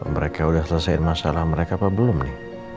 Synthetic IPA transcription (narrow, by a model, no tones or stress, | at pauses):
məɾekaulahsəlasaɪ̰nmasa̰lahməɾekaːpabəlʊmnɪh